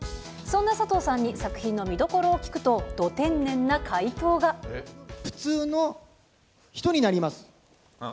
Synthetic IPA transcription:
sõ̞nːasat̪o̞ːsãɲ̟ːisakɯ̟çĩnːo̞mʲid̪o̞ko̞ɾo̞ːkʲi̥kɯ̟̥t̪o̞d̪̥o̞t̪ẽ̞nːẽ̞nːakʰait̪o̞ːɡaɸɯ̟̥t͡sɨːno̞ | çi̥t̪o̞ɲ̟inaɾʲimasɨ̥

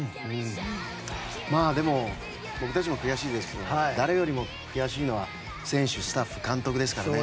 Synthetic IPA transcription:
ɯ̃ | maːd̪e̞mo̞ | bo̞kɯ̟t̪at͡ɕimokɯ̟jaɕiːd̪esɨ̥ke̞d̪od̪aɾe̞jo̞ɾʲimo | kɯ̟jaɕiːno̞βa | sẽ̞ɰ̃ɕɨsɨ̥t̪aɸːɯ̟kãnt̪o̞kɯd̪e̞sɨ̥kaɾane

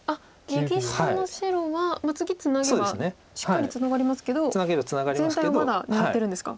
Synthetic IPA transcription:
a | ɡʲekʲiɕi̥t̪anoɕiɾo̞βamat͡sɨɡʲit͡sɨnaɡseodeasne | ɕi̥kaɾʲit͡sɨnaɡaɾʲimasɨ̥ke̞d̪o̞ɨnaɡebat͡sɨnaɡaɾʲizẽ̞nt̪ajβamad̪anaat̪ːe̞ɾɯ̟̃ndesɨ̥ka̰

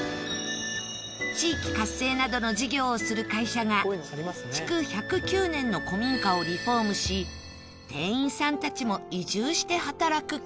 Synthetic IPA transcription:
t͡ɕiːkʲi̥kasːe̞ːnad̪o̞no̞ʑiɡʲo̞ːsɨɾɯ̟kaiɕaɡa | t͡ɕi̥kɯ̟çʲakɯ̟kʲɨːnẽ̞nːo̞ko̞mʲĩŋkao̞ɾʲiɸo̞ːmɯ̟ɕi | t̪ẽ̞̰ɰ̃ĩɰ̃sãnt̪at͡ɕimo̞iʑɨːɕi̥t̪e̞hat̪aɾakɯ̟

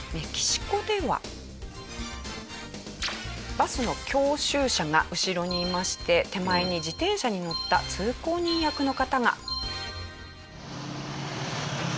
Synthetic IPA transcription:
me̞kʲi̥ɕi̥ko̞d̪e̞βa̰ | basɨno̞kʲo̞ːɕɨːɕaɡaʔɯ̟ɕiɾo̞ɲ̟iːmaɕi̥t̪e̞t̪e̞maeɲ̟id͡ʑit̪ẽ̞ɰ̃ɕaɲ̟ino̞t̪ːat͡sɨːko̞ːɲ̟ĩɰ̃jakɯ̟no̞kat̪aɡa̰

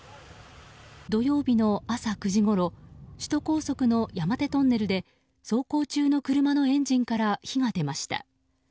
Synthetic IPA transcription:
d̪o̞jo̞ːbʲino̞asakɯ̟ʑiɡo̞ɾo̞ɕi̥t̪o̞ko̞ːso̞kɯ̟no̞jamat̪e̞t̪o̞nːe̞ɾɯ̟d̪e̞ | so̞ːko̞ːt͡ɕɨːno̞kɯ̟ɾɯ̟mano̞ẽ̞ɲ̟d͡ʑĩŋkaɾaçiɡad̪e̞maɕi̥t̪a̰

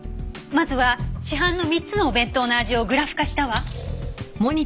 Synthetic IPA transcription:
mazɨβaɕiɦãnːo̞mʲit͡sɨno̞ːbẽ̞nt̪onoaʑio̞ɡɯ̟ɾaɸɯ̟̥kaɕi̥t̪aβa | mo̞ɲ̟i

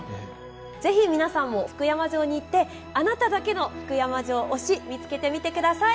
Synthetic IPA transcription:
d͡ze̞çʲimʲinasãmːo̞ɸɯ̟̥kɯ̟jamaʑo̞ːɲ̟iːt̪ːe̞ | anat̪ad̪ake̞no̞ɸɯ̟̥kɯ̟jamaʑo̞ːʔoɕimʲit͡sɨ̥ke̞t̪e̞mʲit̪e̞kɯ̟d̪asai

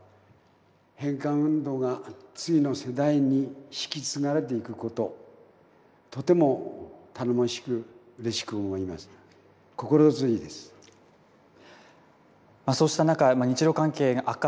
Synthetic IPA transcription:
hẽ̞ŋkãɰ̃ɯ̟̃nd̪o̞ːɡat͡sɨino̞se̞d̪aiɲ̟iɕi̥kʲit͡sɨnaɾe̞t̪̬e̞ikɯ̟ko̞t̪o̞ | t̪o̞t̪e̞mo̞t̪ʰanomoɕi̥kɯ̟ | ɯ̟ɾe̞ɕi̥kɯomaɾʲimasɨ̥ | ko̞ko̞ɾot͡sɨid̪e̞sɨ̥ | masoːɕi̥t̪anakamaɲ̟it͡ɕiɾo̞kãŋke̞ːɡaʔakːa

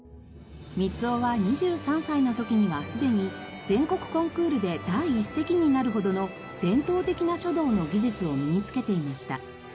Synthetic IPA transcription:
mʲit͡sɨoβaɲ̟iʑɨːsãɰ̃saino̞t̪o̞kʲiɲ̟iβasɨd̪e̞ɲ̟id͡zẽ̞ŋko̞kɯ̟̥kõ̞ŋkɯ̟ːɾɯ̟d̪e̞d̪̥aiːse̞kʲiɲ̟inaɾɯ̟ɦo̞d̪o̞no̞ | d̪̥ẽ̞nt̪o̞ːt̪e̞kʲinaɕo̞d̪o̞ːno̞ɡʲiʑɨt͡sɨo̞mʲiɲ̟it͡sɨ̥ke̞t̪e̞imaɕi̥t̪a̰

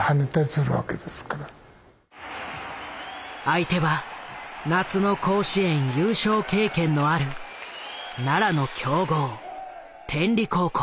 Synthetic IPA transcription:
hanet̪aɾʲisɨɾɯβa̰ke̞d̪esɨ̥kaɾa | ait̪e̞βa | nat͡sɨno̞kʰo̞ːɕiẽ̞ɰ̃jɯːɕo̞ːke̞ːkẽ̞nːo̞aɾɯ̟ | naɾano̞kʲʰo̞ːɡo̞ː | t̪ʰẽ̞nɾʲiko̞ːko

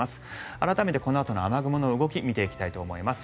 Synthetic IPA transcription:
asɨ̥ | aɾat̪ame̞t̪e̞ko̞noat̪o̞noamaɡɯ̟mɯno̞ɯ̟ɡo̞kʲimʲit̪eikʲi̥t̪ait̪oːmo̞imasɨ̥

